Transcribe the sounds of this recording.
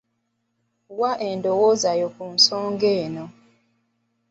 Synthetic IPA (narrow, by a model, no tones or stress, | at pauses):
waʔendowozajokunsoːŋɡeːno